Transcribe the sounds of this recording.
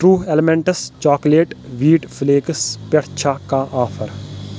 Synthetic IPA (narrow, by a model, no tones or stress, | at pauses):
ʈɾuːɦelɪmẽɳʈəst͡ʃaːkleːʈʋiːʈfleːkəspɐɽt͡ʃʰakaʔaːfʰəɾ